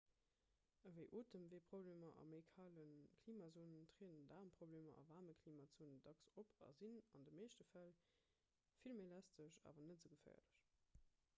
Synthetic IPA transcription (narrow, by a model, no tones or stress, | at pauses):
əvəɪʔoːtəmveːpʁ̥obleːmɐʔɑ̰meɪkʰaːlənkʰliːmaːzoːnəntʁeːnəndaːʁmpʁ̥obleːmɐ̰ɑ̰vaːməkʰliːmazuːnəndɑksopʰɑ̰zinɑndəmeɪʃtəfæl | filmelæstəɕa̰ːvɐnətz̥əɡəfæ̰ːɐləɕ